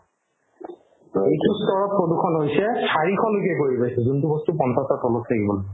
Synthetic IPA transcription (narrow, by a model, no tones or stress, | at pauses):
tɔejtustʰɔɹɔt̚pɹodukʰɔnɦojsɛsaɹikʰɔlok̬ɛkoɹipajsɛzuntubɔstupɔnsasatɔlɔtʰakibɔlo